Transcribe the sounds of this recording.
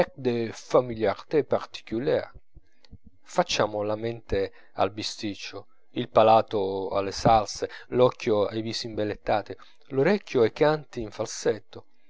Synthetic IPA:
ɛk̚d̪efamiljart̪epart̪i̥kulɛa | fat͡ʃːaːmʊlamɛnt̪e | a̰lbist̪it͡ʃːʊ | ilpalaːt̪ʊa̰lːesalselɔkːjʊajviːsimbelet̪ːaːt̪ɪ | loɾɛkʲːjʊɛjkant̪iiɱfalsɛt̪ːʊ

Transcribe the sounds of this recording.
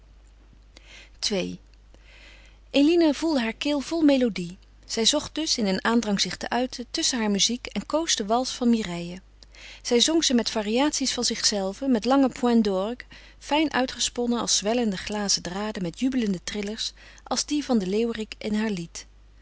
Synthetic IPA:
tʋej | ʔelinəvulˠdəɦaːɹkɪːlˠv̥ɔlˠmejlodi | z̥ɛjzɔχt̚d̥ɵsɪnənʔaːndrɑŋz̥ɪχtə̰ʔœɥtʰətɵsənɦaːɹmyzikɛnkowstəʋɑlˠsfɑnmirɛjə | z̥ɛjzɔŋzəmɛtfaːriaːtsisfɑnzɪχsɛlˠvəmɛtlɑŋəpʰwɛndɔɹk | fɛjnʔœɥtχəspɔnəɑ̰lˠszʋɛləndəχlaːzədraːdəmɛtjybələndətrɪləɹs | ʔɑ̰lˠzdivɑndəlewrikɛnɦaːɹlit

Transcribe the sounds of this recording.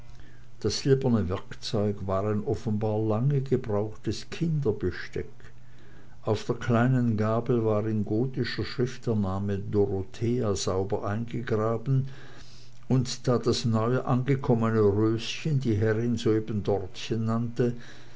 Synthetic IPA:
d̥asz̥ɪlbɐnəvɛɐkt͡sɔʏkvaːʁaɪnʔɔfən̩baːɐlaŋəɡəbʁaʊxtəskʰɪndɐbəʃtɛk | ʔaʊfd̥eːɐkʰl̥aɪnənɡaːbl̩vaːʁɪnɡoːtɪʃɐʃʁ̥ɪftɛɐnaːmədoʁotʰeːaz̥aʊbɐʔaɪnɡəɡʁaːbn̩ | ʊntd̥aːd̥asnɔʏəʔanɡəkʰɔmənəʁøːsçəndiːɦɛʁɪnzoeːbən̩dɔʁtçənːantə

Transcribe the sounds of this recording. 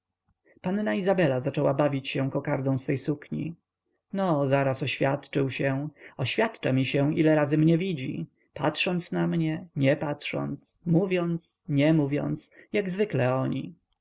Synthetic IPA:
panːaizabɛlazat͡ʂɛwabavʲit͡ɕɕɛ̃kɔkaɾd̪ɔ̃w̃sfɛjsukɲḭ | nɔzaɾasɔɕfʲjat̪t͡ʂɘwɕɛ̃ɔɕfʲjat̪t͡ʂamʲiɕɛʔilɛɾazɘmɲɛvʲid͡ʑḭ | pa̰t̪ʂɔnt̪snamɲɛɲɛpatʂɔ̰nt̪smuvʲjɔnt̪sɲɛmuvʲjɔ̰nt̪sjaɡzvɘklɛɔɲḭ

